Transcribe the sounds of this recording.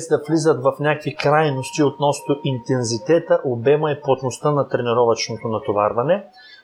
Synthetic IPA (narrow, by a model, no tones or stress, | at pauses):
ɛsd̪ɐflizət̪vɐfnʲakvikɾajnost̪iot̪nɔst̪oʔint̪ɛnzit̪ɛt̪əʔobɛmɐiplˠot̪nost̪ənɐt̪ɾɛniɾɔvɐt͡ʃnot̪onɐt̪ova̰ɾvɐnɛ